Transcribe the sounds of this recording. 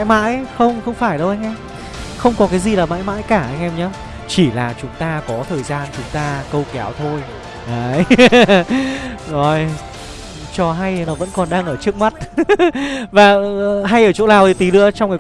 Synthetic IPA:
jma̰ː˧˥jxə˧wŋ͡mxə˧wŋ͡mfaː˧˩jɗə˧wʔa˧jŋ̟ʔɛ˧m | xə˧wŋ͡mkɔ˨˦kaː˨˦jzi˨˩laː˨˩ma̰ː˧˥jma̰ː˧˥jkaː˧˩ʔa˧jŋ̟ʔɛ˧mɲaː˨˦ | t͡ɕi˧˩laː˨˩t͡ɕʊ˨˦ŋ͡mt̪aː˧kɔ˨˦t̪ʰəː˨˩jzaː˧nt͡ɕʊ˨˦ŋ͡mt̪aː˧kə˧wkɛ˨˦wt̪ʰo˧j | ʔaː˨˩j | zɔ˨˩j | t͡ɕɔ˧ɦa˧jnɔ˨˦və̰˧˥nkɔ˨˩nɗaː˧ŋʔəː˧˩t͡ɕɨ˦˥ək̚ma˦˥t̚ | vaː˨˩ɦa˧jʔəː˧˩t͡ɕo̰˧˥laː˨˩w̪i˨˩t̪i˨˦lɨ̰˧˥ət͡ɕɔ˧ŋ͡mka˨˦

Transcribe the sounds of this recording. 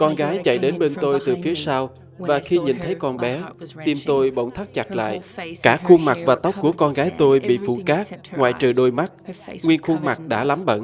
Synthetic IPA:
kɔ˧nɣaː˨˦jt͡ɕa̰˧˨jɗe˨˦nɓe˧nt̪o˧jt̪ɨ˨˩fi˨˦əsaː˧w | vaː˨˩xi˧ɲi˨˩nt̪ʰə˨˦jkɔ˧nɓɛ˨˦t̪i˨˧˩mt̪o˧jɓo̰˧˨wŋ͡mt̪ʰa˦˥k̚t͡ɕa˨˩t̚la̰ː˧˨jkaː˧˥˩xu˧ŋma˨˩k̚vaː˨˩t̪wk͡p̚ku˧˩əkɔ˧nɣaː˨˦jt̪o˧jɓḭ˧˨fṵ˧˩kaː˦˥k̚ŋwa̰ː˨jt͡ɕɨ˨˩ɗo˧jma˦˥t̚ŋwi˧ənxu˧ŋma˨˩k̚ɗa̰ː˧˥la˨˦mɓə̰˧˨n

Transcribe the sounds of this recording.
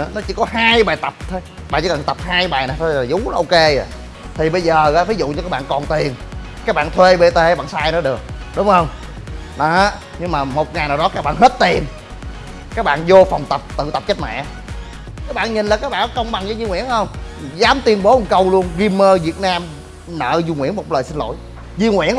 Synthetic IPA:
nɔ˨˦t͡ɕḭ˧˦kɔ˨˦ɦaː˧jɓaː˨˩jt̪ə˨˩p̚t̪ʰe˨˦jaɓa̰ː˧˨nt͡ɕːi˧˦˨aː˨˩t̪ə˨˩p̚haː˧jɓaː˨˩jna˨˩jt̪ʰːaː˨˩zʊ˨˦ɔ˨˦ʔo˧ke˧˨˩ | t̪ʰi˨˩ɓə˧jzəː˨˩ɣa̰ː˧˥˩fai˨˦zʊ̰˧˨t͡ɕɔ˧kaː˦˥k̚ɓa̰ː˧˨nkɔ˨˩nt̪i˨˩ən | kaː˦˥k̚ɓa̰ː˧˨nt̪ʰwe˧ɓe˧t̪e˧˩a˦ɓaː˧˨nsaː˧jnɔ˨˦ɗɨ˨˩ək̚ɗʊ˨˦ŋ͡mhə˧wŋ͡m | nɔ˨˦˨ | ɲɨ˧ŋmaː˨˩mo˨˩t̚ŋa˨˩jnaː˨˩wɗɔ˨˦kaː˦˥k̚ɓa̰ː˧˨nhe˦˥t̚t̪i˨˩ən | kaː˦˥k̚ɓa̰ː˧˨nzo˧fa˨˩wŋ͡mt̪ə˨˩p̚t̪ɨ̰˧˨t̪ə˨˩p̚t͡ɕə˦˥t̚mɛ̰˧˨ | kaː˦˥k̚ɓaː˧˨nɲi˨˩n̟laː˨˩kaː˦˥k̚ɓaː˧˨˦kə˧wŋ͡mɓa˨˩ŋt͡ɕə˨˧˦zi˧ŋwḭ˧˩ənhə˧wŋ͡m | zaː˨˦mt̪wi˧ənɓo˨˦ʔu˨˩kə˧wlu˧ənɣi˧mːəː˧vi˨˩ət̚naː˧m | nə̰ː˧˨zu˧ŋwḭ˧˥ənmo˨˩t̚ləː˨˩jsi˧nlo̰˧˨j | zi˧əŋwḭ˧˩ən

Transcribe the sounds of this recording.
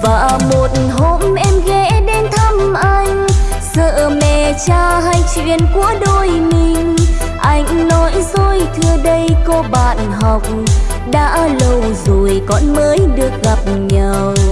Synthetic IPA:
vaː˨˩mo˨˩t̚n̩ɦo˧˥mʔɛ˧mɣɛ˧˥ɗe˧nt̪ʰə˧mʔa˧jŋ̟ | səː˧˨mɛ̰˧˨˩t͡ɕaː˧ɦa˧jt͡ɕwḭ˧˨ənku˧˩əɗo˧˩jmi˧˨n | ʔa˧jŋ̟nɔ˨˦jzo˧˩jt̪ʰɨ˧əɗə˧jko˧ɓaː˧˨nɦɔ˨˩wk͡p̚ | ɗa̰ː˧˥lə˧˩wzo˨˩jkɔ˨˦nməː˨˦jɗɨ˨˩ək̚ɣa˨˩p̚ɲə˨˩w

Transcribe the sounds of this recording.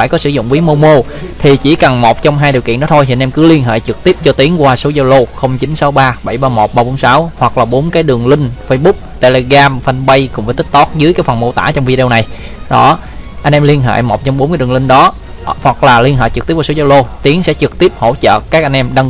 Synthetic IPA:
faː˧˩jkɔ˨˦sɨ˧˩zʊ̰˧˨ŋ͡mvwi˨˦mo˧mo˧ | t̪ʰi˨˩t͡ɕi˧˩kə˨˩nmo˨˩t̚t͡ɕwŋ͡mɦaː˧jɗi˨˩kḭ˧˨nɔ˨˦t̪ʰo˧jt̪ʰi˨˧nʔɛ˧ŋkɨ˨˦li˧ənɦḛː˧˨jt͡ɕɨ˨˩k̚t̪i˦˥əp̚t͡ɕɔ˧t̪i˨˦əŋkwaː˧so˨˦zo˧wlo˧xə˧wŋ͡mt͡ɕi˨˦nsa˨˦wɓaː˧ɓə˧˩jɓaː˧mo˨˩t̚ɓaː˧ɓo˨˦ŋ͡msaː˨˦whwa˨˩k̚laː˨˩ɓo˨˦nkaː˨˦jɗɨ˨˩əŋlï˧ŋ̟fə˧jɓʊ˦˥k͡p̚t̪e˧le˧ɣaː˧mfa˧nɓə˧jkʊ̰˧˥ŋ͡mfaː˧˩jt̪ï˥k̚t̪ɔ˦˥t̚zɨ˨˦jkaː˨˦jfə˨˩mo˧t̪a̰ː˧˥t͡ɕɔ˧wŋ͡mvi˧ɗi˧ə˧na˨˩j | ɗɔ˨˦ | ʔa˧j̟ʔɛ˧mli˧ənɦḛ˧˨jmo˨˩t̚t͡ɕɔ˧wŋ͡mɓo˨˦nkːa˨˦ɗŋlï˧ŋ̟ɗɔ˨˦ | hwa˨˩k̚laː˨˩li˧ənhɦḛ˧˨jt͡ɕɨ˨˩t̪i˦˥p̚wa˧so˨˦zo˧lo˧t̪i˨˦əŋsɛ̰˧˥t͡ɕɨ˨˩k̚t̪i˦˥əp̚ho̰˧˩t͡ɕə̰ː˧˨kaː˦˥k̚ʔa˧ŋʔɛ˧mɗə˧ŋ

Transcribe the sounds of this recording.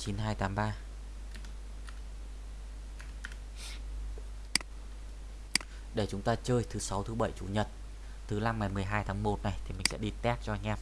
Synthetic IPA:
t͡ɕi˨˦nɦaː˧jt̪aː˨˦mɓaː˧ | ɗe˧˩t͡ɕʊ˨˦ŋ͡mt̪aː˧t͡ɕəː˧jt̪ʰɨ˨˦sa˨˦wt̪ʰɨ˨˦ɓə˧˩jt͡ɕu˧˩ɲə˨˩t̚ | t̪ʰɨ˨˦la˧mŋa˨˩jmɨ˨˩əjɦaː˧jt̪ʰaː˨˦ŋmo˨˩t̚na˨˩jt̪ʰi˨˩m̟˨˩sɛ̰˧˥ɗi˧t̪ɛ˦˥t̚t͡ɕɔ˧a˧jŋ̟ʔɛ˧˩

